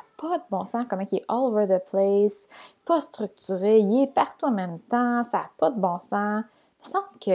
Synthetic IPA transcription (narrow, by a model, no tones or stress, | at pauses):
apʰɔd̪əbɔ̃sãkɔm̃kɛʔɔlovə˞ðəpʰleɪs | pɔst̪ʁyk̚t̪yʁeilɛpaʁt̪uɑ̃mɛ̃mt̪ɑ̃saːpɔd̪əbɔ̃sã | məsɑ̃ːblkʲʰə